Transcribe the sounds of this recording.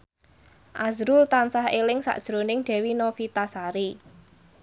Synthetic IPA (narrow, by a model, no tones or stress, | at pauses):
ʔazɾʊlt̪ansaɦelɪŋsa̰ʔd̥ʒ̥ɾonɪŋɖ̥ɛ̤winofit̪asaɾi